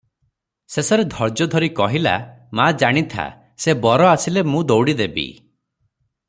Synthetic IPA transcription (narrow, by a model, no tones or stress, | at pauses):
sesɔɾed̪ʱɔɾd͡ʒɔd̪ʱɔɾikɔɦila̰mad͡ʒaɽ̃it̪ʰa̰ | sebɔɾɔasilemũd̪owɽid̪ebḭ